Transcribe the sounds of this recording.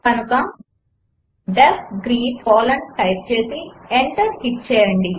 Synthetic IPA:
kɐnukɐm | ɖɐɡɾiːpɔːlɐɳʈɐjʈ̚t͡ʃe̞ːsieɳʈɐɾhiʈ̚t͡ʃɛːjɐɳɖi

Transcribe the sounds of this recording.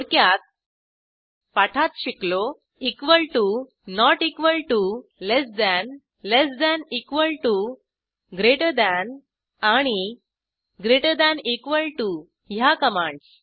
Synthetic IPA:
oɽkjat̪̚ | paʈʰat̪ɕiklo | ikʋəlʈu | nɔʈikʋəlʈulesd̪ɛn | lesd̪ænikʋəlʈu | ɡɾeʈəd̪ɛn | aɽ̃i | ɡɾeʈəd̪ɛnikʋəlʈu | ɦjakəmaɳs

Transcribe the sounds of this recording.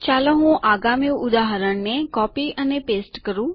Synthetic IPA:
t͡ʃalẽɦũʔaɡamjũʊd̪aɦəɾəɳnekɔpiənepesʈkəɾũ

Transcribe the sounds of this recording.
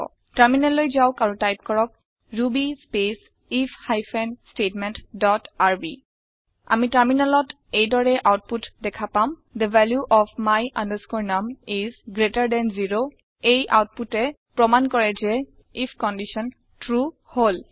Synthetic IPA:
taɹminalojzawkaɹutajp̚kɔɹɔk̚ | ɹubispes | ifʰhajfʰɛnstetmɛntdɔtaɹbi | a̰mitaɹminalɔt | ejdɔɹɛʔawt̚putdɛkʰapamd̪əvɛljuʔɔfʰmajʔãndəskɔɹnamizɡɹetaɹdɛnziɹo | ejʔa̰wt̚putɛ | pɹɔmankɔɹɛzɛ | ipʰkɔndisɔn | tɹu | hol

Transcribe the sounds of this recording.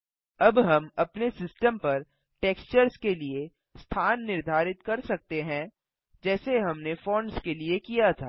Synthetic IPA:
ɐbɦɐmɐpnesɪsʈəmpɐɾ | ʈeːkst͡ʃəɾskelie | st̪ʰaːnːɪɾd̪ʱaːɾɪt̪kɐɾsɐk̚t̪eɦɛ̃ | d͡ʒɛːseɦɐmnefõːɳɖskeliekijat̪ʰa̰ː

